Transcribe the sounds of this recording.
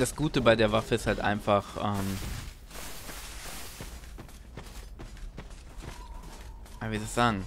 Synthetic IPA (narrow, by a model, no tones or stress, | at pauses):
d̥asɡ̥uːtəbaɪdeːɐvafəɪsthaltʔa̰ɪnfaχʔɛːm | avidasz̥aːɡŋ̩